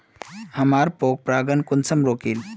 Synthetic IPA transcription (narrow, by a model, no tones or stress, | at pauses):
hɐmaːɾpoːk̚pɾaːɡənkunsəmɾoːkil